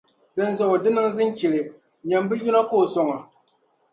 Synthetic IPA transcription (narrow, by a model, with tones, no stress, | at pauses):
bɨ˨n˦zɔ˨ʔʊ˨dɨ˦nɨ˦ŋzɨ˦t͡ʃɛ˨lɨ˨ | ɲa˨mbɨ˦ju˦na˦ko˦˨sɔ˦ŋa˨